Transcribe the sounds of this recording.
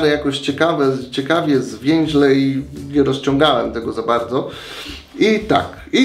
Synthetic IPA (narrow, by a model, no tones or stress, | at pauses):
ɾɛjakɔɕt͡ɕɛkavɛt͡ɕɛkavʲjɛzvʲjɛ̃ŋ̃ʑlɛiɲɛɾɔst͡ɕɔ̃ŋɡawɛmt̪ɛɡɔzabaɾd̪zɔ | it̪a̰k | i